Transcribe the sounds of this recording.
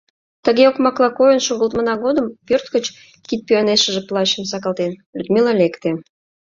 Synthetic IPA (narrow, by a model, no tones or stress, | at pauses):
t̪əɣeokmɑklˠɑkojənʃoɣəlt̪mənɑɣod̪əmpørt̪kət͡ɕ | kit̪̚pyɑneʃəʒeplˠɑɕəmsɑkɑlt̪enlʲud̪mʲilɑlekt̪e